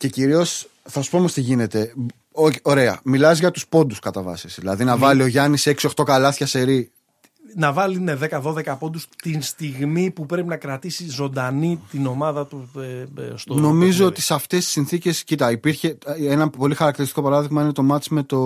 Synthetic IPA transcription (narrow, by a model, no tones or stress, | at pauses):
ce̞ciɾio̞s | θɐsu̥poomost̪iʝine̞t̪e̞ | oo̞ɾe̞ɐ̰milɐzʝɐt̪uspo̞nd̪uskɐt̪ɐvɐ̰sisðilɐ̰ðinɐvɐlio̞ʝɐnise̞ksio̞xt̪o̞kɐlɐθçɐse̞ɾi | nɐvɐlineðe̞kɐðo̞ðekɐpo̞nd̪ust̪inst̪iɣmipupɾe̞pinɐkɾɐt̪isizo̞nd̪ɐnit̪ino̞mɐðɐt̪u | st̪no̞mizoot̪isɐft̪est̪i̥sinθice̞scit̪ɐipiɾçe̞enɐpo̞lixɐɾɐk̚t̪iɾist̪i̥ko̞pɐɾɐðiɣmɐinet̪o̞mɐt͡sme̞t̪o̞